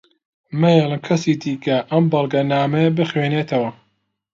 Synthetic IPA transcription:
mɐjelˠɨmkʰɐsiːd̪iːkɐʔɐmbɐlˠɡɐnaːmejɐbɨxweːneːt̪ʰɐwɐ

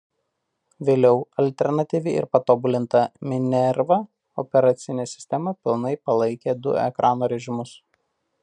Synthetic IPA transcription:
ʋʲeːlʲɛʊɐlʲt̪ʲɛɾnɐt̪ʲiːʋʲɪɪ̰ɾpɐt̪oːbʊlʲɪnt̪ɐmʲɪnʲɛɾʋɐ | ɔ̰pʲɛɾɐt̪sʲɪnʲeːsʲɪ̥sʲt̪ʲɛmɐpʲɪlˠnɐɪpɐlˠɐɪkʲeːd̪ʊ̰ɛ̰kɾʔɑːnoːɾʲɛʒʲɪmʊs

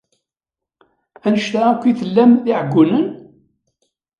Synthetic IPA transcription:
ænəʃt̪aækʷːiθəlːæmðiʕəɡʷːʊnən

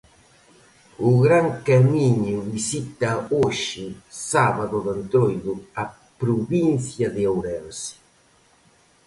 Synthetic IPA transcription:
ʊɣɾaŋkamiɲʊvisit̪aoʃɪsaβaðuðant̪ɾojðʊa | pɾuβinθjaðɪawɾɛɾsi̥

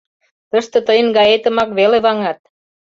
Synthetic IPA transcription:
t̪ə̆ʃt̪ɤ̆t̪əjə̆nɡɑjet̪ə̆mɑkβeleβɑŋɑt̪̚

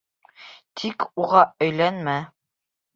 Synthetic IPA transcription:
t̪ʰikuʁɑɵ̆jlænmæ

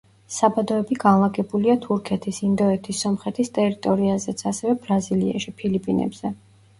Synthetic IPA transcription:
sabad̪ɔɛbiɡanlˠaɡɛbuliat̪ʰuɾkʰɛt̪ʰisind̪ɔɛt̪ʰisːɔmχɛt̪ʰist̪ʼɛɾit̪ʼɔɾiazɛt̪sʰasɛvɛbɾazilia̰ʃipʰilipʼinɛ̰bz̥ɛ

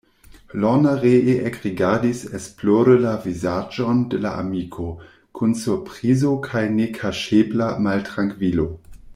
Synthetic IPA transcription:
lɔnaʁeʔeʔekʁiɡadisɛsploɾəlavizad͡ʒondəla̰ʔa̰mikʰo | kʰunsupʁizokʰajnekʰaʃeblamaltʁaŋkvilo

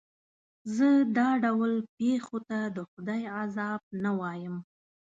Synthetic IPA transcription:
zəd̪ɑɖawlpexot̪ad̪əxʊd̪ɑjazɑb̚nawɑjəm

